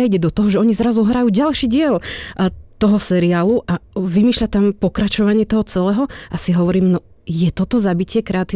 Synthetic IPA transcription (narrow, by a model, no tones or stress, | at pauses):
aiɟɛd̪ɔt̪ɔɦɔʒɛɔɲizɾazuɦɾajuːɟalʃiːɟɪɛl | t̪ɔɦɔsɛɾiaːluʔaʋimiːʃʎat̪ampɔkɾat͡ʃɔʋaɲɪɛt̪ɔɦɔt͡sɛlɛːɦɔasiɦɔʋɔɾiːmnɔ | jɛt̪ɔt̪ɔzabicɪɛkɾɛat̪iː